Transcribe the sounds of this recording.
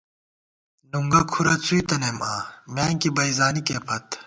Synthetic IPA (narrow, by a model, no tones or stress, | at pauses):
nuŋɡɐkʰuɾɐt͡suit̪ɐnemaːmaːŋkibɐizaːnikeːpʰɐt̪